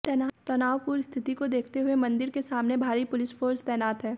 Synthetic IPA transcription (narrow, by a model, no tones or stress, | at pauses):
t̪ɛːnaːt̪ɐnaːʋpuːɾst̪ʰɪt̪ikod̪eːkʰt̪eɦʊemɐ̃nd̪ɪɾkesaːmnebʱaːɾipʊlɪsfʰoːɾst̪ɛːnaːt̪ɦɛː